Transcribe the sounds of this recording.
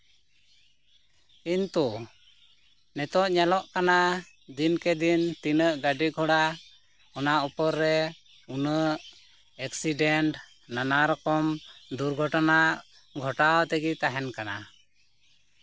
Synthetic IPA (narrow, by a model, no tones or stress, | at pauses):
int̪u | nɛt̪ɔʔɲalɔʔkana | d̪inkɛd̪int̪inəʔɡaɖiɡʱɔɽa | ɔnaʔupɔɾːɛ | unəʔ | ɛksiɖɛɳʈ | nanaɾɔkɔmd̪uɾɡʱɔʈanaʔ | ɡʱɔʈawt̪ɛɡit̪aɦɛnkana